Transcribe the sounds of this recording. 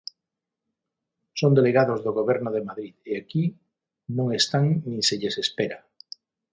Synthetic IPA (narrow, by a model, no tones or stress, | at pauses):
sõnd̪eleɣaðozðoɣoβɛɾnʊð̞emaðɾiðeaki | nõŋest̪aŋnĩseʎesespeɾa